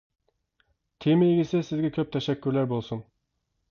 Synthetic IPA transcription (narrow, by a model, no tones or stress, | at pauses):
t̪ʰemejiɡʲɪsɪsɪzɡʲɛkʲʰøp̚t̪ʰɛʃɛkʲʰːyɾlæɾbolˠsun